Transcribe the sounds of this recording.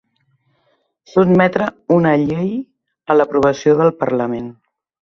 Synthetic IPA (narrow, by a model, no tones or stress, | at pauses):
sud̪mɛt̪ɾəunəʎej | ələpɾuβ̞əsioðəlˠpərləmen